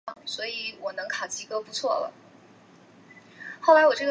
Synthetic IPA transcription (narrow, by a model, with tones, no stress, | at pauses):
ŋswɔ˧˥i˧˩˦wɔ˨˩nɤ˧˥ŋkʰa˨˩t͡ɕʰi˧˥kɤ˥pu˧˥t͡sʰwɔ˥˩lə̰˩ | xo˥˩ʊla˧˥ɪwɔ˨˩ʈ͡ʂɤ˥˩ɡ